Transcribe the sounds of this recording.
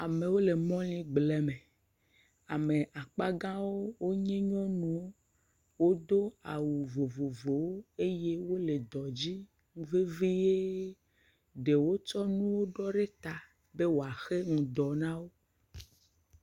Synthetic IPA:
a˨mẽ˨wo˦le˨mɔ̃˦lĩ˦ɡ͡blɛ˨mẽ˨ | a˨me˨ʔa˨k͡pa˦ɡã˦wo˦wo˦ɲɛ̃˦ɲɔ̃˦nũ˨wo˦ | wo˦d̪o˦a˨wu˨vo˨vo˨vo˨wo˦e˦je˦wo˦le˨d̪ɔ˨d͡ʑi˦ | ŋũ˦ve˦vi˦je˦ | ɖe˨wo˦t͡ʃɔ˦nũ˦wo˦ɖɔ˦ɖe˦t̪a˨ | be˦wo˨a˨xe˦ŋũ˨d̪ɔ˨nã˦wo˦

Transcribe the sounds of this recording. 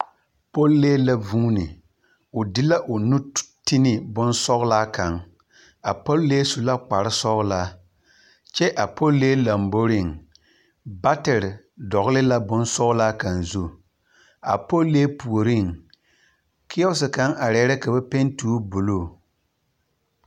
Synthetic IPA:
po˦lːeː˦la˦vu˦nɪ˨ | ʊ˨dɪ˦la˦ʔʊ˨nu˦ti˦nɪ˨bʊ˦nsɔ˦ɣʊ˦la˦ka˨ŋ | a˨po˦lːeː˦su˨la˦k͡pa˨ɾɪ˦sɔ˦ɣʊ˦la˦ | t͡ʃɛ˦ʔa˨po˦lːeː˦la˨mbo˦ɾɪ˦˨ŋ | ba˦tɛ˨ɾ | dɔ˨ɣʊ˦lɪ˦la˦bʊ˦nsɔ˦ɣʊ˦la˦ka˨nzu˦ | a̰˨po˦lːeː˦pu˨o˨ɾɪ˦˨ŋ | kʰɪ˦ɔ˦s̬ɪ˨ka˨˦ŋa˨ɾɛ˨˦ɾɛ˦ka˨ba˦pe˦ntu˦bo˨loː˦˨

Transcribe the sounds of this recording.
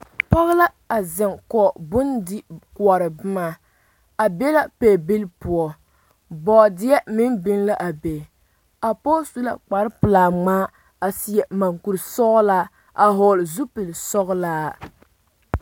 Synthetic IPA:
pa˦ɣla˦ | a˨zɪ˨ŋkɔ˨bʊ˦ndɪ˦ku˨ɔ˨ɾɨ˨bɨ˦ma˨ | a˨bɛ˦la˦pe˨bi˦lpʊ˨ɔ˨ | bɔː˨dɪ˦ɛ˦mɪ˦nbɪ˦nla˦ʔa˨be˨ | a˨po˦stu˦la̰˨k͡pa˨ɾɨ˦pɨ˨laː˨ŋ͡maː˦ | a˨si˨˦jɛ˨ma˨ŋku˨ɾsɔ˦ɣla˦ | ʔa˨ɦo˨lzu˦pi˨lsɔ˦ɣlaː˦

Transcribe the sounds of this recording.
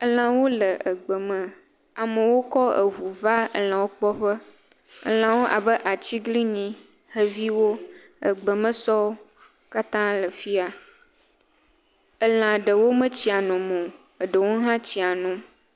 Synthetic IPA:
ə˦l̃ã˨wo˦lə˨ʔə˨ɡ͡bə˨mə̃˨ | a˨mə̃˨wo˦kɔ˦ə̰˨ɦu˨va˦ə̰˨lã˨wo˦k͡pɔ˦ɸə˦ | ə̰˦l̃ã˨wo˦ʔa˨bə˦ʔa˨t͡ɕi˦ɡli˦ɲĩ˦ | hə˦vi˦wo˦ | ə̰˨ɡ͡bə˨mə̃˦sɔ˦ | ka˦t̪ã˦lə˨fi˦a˨ | ə˦l̃ã˨ɖə˨wo˦mə̃˦t͡ɕi˦a˨nɔ̃˨mõ˨ | ə˨ɖə˨wo˦ɦã˦t͡ɕi˦a˨nũ˨

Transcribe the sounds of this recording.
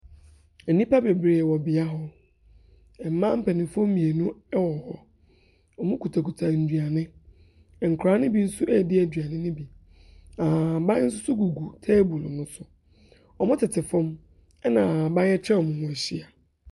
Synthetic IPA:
ɛ˨nĩ˦pa˦be˨bɾe˨wɔ˨bɪ˨a˦ɦɔ˦ | ɛ˨m̩ː˦ã˦m̩˦pʰɛ˨nɪ̃˨fɔ̃˦m˦mĩ˨e˨nũ˦ɛ˦wɔ˨hɔ˨ | ɔ˨mʊ̃˦kʰu˨tʰa˨kʰu˨tʰa˨n̩˨dɥa˨nɪ̃˦˨ | ŋ̩˨kʷʰɾaː˨˦nɪ̃˦bi˦n̩˦sʊ˦ʔɛ˦˨dɪ˦æ˨dɥa˨nɪ̃˦nɪ̃˦bi˨ | ã˨bã˦n̩˦s̬ʊ˦sʊ˦ɡu˨ɡu˨tʰe˦bu˨lnʊ̃˦sʊ˨ | ɔ˨mʊ̃˦tʰɪ˨tʰɪ˨fɔ̃˦m | ɛ˦nã˨bã˦n˦ɛ˦t͡ɕʰɛ˦ɔ˨mʊ̃˨mʊ̃˨æ˨ɕi˦a˨

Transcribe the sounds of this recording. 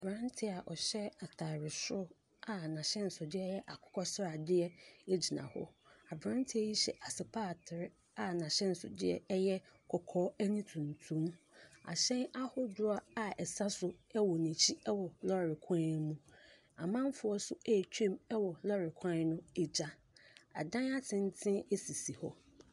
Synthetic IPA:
bɾã˦ntʰɪ˦a˨ʔɔ˨ɕɛ˦a˨tʰa˨ɾɪ˨sʊ˦ | a˨nã˨ɕɛ̃˦n̩˨sʊ˨dɪ˦ɛ˦jɛ˦ʔa˨kʰʊ̥˦kʰɔ˦sa˨dɪ˦ɛ˦e˦d͡ʑi˨nã̰˨hɔ̰˦ | a˨bɾã˦n˦tʰɪ˦ɛ˦ji˦ɕɛ̰˨ʔa˨sɪ˨pʰaː˦˨tʰɪ˨ɾɪ˦ | a˨nã˨ɕɛ̃˦n̩˨sʊ̰˨dɪ˦ɛ̰˦jɛ˦kʰɔ˨kʰɔː˦æ˦nĩ˦tʰũ˨n˨tʰũ˦m | a̰˨ɕɛ̃˦na˦hʊ˦dʊ˦a˦a˨ɛ˨sa˦sʊ˦ɛ˦wɔ˨nĩ˨t͡ɕʰi˦ɛ˦wɔ˨lɔ˦ɾɪ˨kʰã˦mũ˦ | a̰˨mã˦m˦fʊ˦ɔ˦sʊ˦æ˦˨t͡ɕᶣʰɛ̃˦mɛ˦wɔ˨lɔ˦ɾɪ˨kʰã˦nʊ̃˦e˨d͡ʑa˦ | a̰˨dã˦na˦tʰɪ̃˦n˦tʰɪ̃˦e˦si˨si˨hɔ˦

